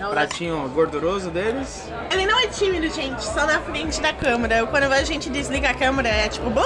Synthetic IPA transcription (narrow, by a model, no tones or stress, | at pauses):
pɾat͡ʃĩɲʊɡoɾd̪uɾozʊd̪elɪs | elɪnɐ̃w̃ɛt͡ʃimid̪ʊʒẽnt͡ʃɪ̥sɔnɐfɾẽnt͡ʃɪd̪ɐkɐ̃mɐɾɐkwɐ̃nd̪ʊvajɐʒẽnt͡ʃɪd̪ezliɡɐːkɐ̃mɐɾɐɛt͡ʃi̥pʊbo